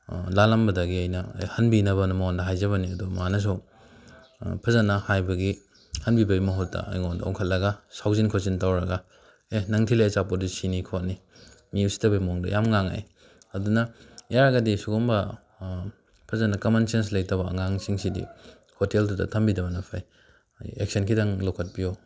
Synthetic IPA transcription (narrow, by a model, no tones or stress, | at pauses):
lalɐmbɐdɐɡiajnɐ̰hɐnbinɐβɐnɐmandɐɦajzɐβɐniɐdumanɐs̬u | pʰɐzanɐhajbɐɡi | hɐnbibɐɡimɐɦutːɐ̰ɐ̰jŋondɐ̰o̰wŋkʰɐt̚lɐɡɐsawzinkʰot͡ʃintawɾɐɡɐ | enɐŋtʰilajasapodisinikʰot̚ni | miusi̥tɐbɐjmɔŋdɐ̰jamŋaŋa̰j | ɐdunɐjaɾɐɡɐdisuɡɔmbɐ | pʰɐzanɐkɐmansens̬laj̚tɐβɐɐ̰ŋaŋsiŋsidḭ | hoteldudɐ̰tʰɐmbidɐbɐnɐpʰaj | ḛk̚sɐnkʰidaŋlokʰɐt̚pijo